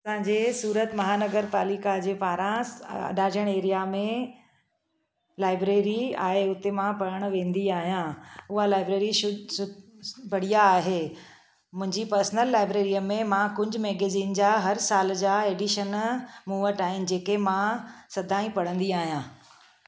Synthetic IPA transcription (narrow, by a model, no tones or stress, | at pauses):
ɐsãːɲd͡ʑeːsuːɾət̪mɐɦaːnəɡəɾpaːlikad͡ʑeːpaːɾãɐ̰ɖaːd͡ʑəɽ̃eːɾijamẽ | laːɪbɾeːɾia̰ːɦeʊt̪emãpɐɾəɽ̃ʋẽːnd̪iaːɦijãʊɦalaːɪbɾeːɾi | bɐɽ̤ijaːɦeː | mʊ̃ɦɪ̃ɲd͡ʑipəɾsənəlːaːɪbɾeːɾijəmẽmãkʊd͡ʑʱʊ̆mɛːɡeːziːnd͡ʑaːɦɐɾsaːld͡ʑaːeːɖiʃənmuːʋəʈaːɦɪnɪ̆d͡ʑeːkemãsɐd̪ʱaːĩpɐɽ̤ə̃nd̪iaːɦijãː